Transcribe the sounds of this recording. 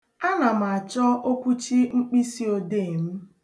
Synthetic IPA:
a˦na˨m̩˨a˨t͡ʃɔ˦ʔo˦kʷu˦t͡ʃi˦ŋ͡m̩˦k͡pi˦si˦o˨deː˦˨m̩˦

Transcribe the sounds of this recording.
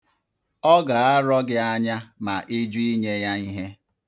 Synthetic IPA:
ɔ˦ɡa˨a˦ɾɔ˦ɡɪ˦a˦ɲa˦ma̰˨ʔi˦d͡ʒu˦i˦ɲe˦ja˦i˦ɦe˦

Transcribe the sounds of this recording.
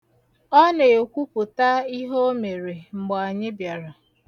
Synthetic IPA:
ɔ˦ne˨o˨kʷu˦pʊ˨ta˦i˦ɦo˦o˦me˨ɾe˨ŋ͡m̩˨ɡ͡bɔ˨a˨ɲɪ˦bja˨ɾa˨

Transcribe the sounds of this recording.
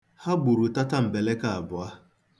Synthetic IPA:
ha˦ɡ͡bu˨ɾu˨ta˦ta˦m̩˨be˨le˦ka˦a˨bʊ˨a˦

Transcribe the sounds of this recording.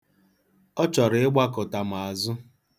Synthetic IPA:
ɔ˦t͡ʃɔ˨ɾɪ˦ɪ˦ɡ͡ba˦kʊ˨ta˨m̩˨a˨zʊ˦

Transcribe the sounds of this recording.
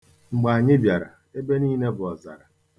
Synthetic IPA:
ŋ͡m̩˨ɡ͡ba˨a˨ɲɪ˦bja˨ɾa̰˨ | e˦be˦niː˦ne˦bʊ˨ɔ˨za̰˨ɾa˨

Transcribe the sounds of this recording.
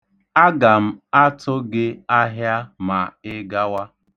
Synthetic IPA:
a˦ɡa˨m̩˦a˦tʰʊ˦ɡɪ˦a˦ɦja˦ma˨ɪ˦ɡa˦wa˦

